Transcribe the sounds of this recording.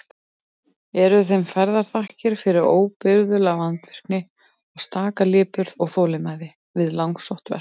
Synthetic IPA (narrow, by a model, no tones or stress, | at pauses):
ɛɾʏθejmfɛɾðaɾ̥θahcɪɾ̥fɪɾɪɾoːwpɪɾðʏlaɣlant̪vɛr̥knɪ | ɔɣst̪aːkalɪːpʏɾðɔɣθoːwlɪmaːjðɪ | vɪðlawŋksowht̪vɛ̰r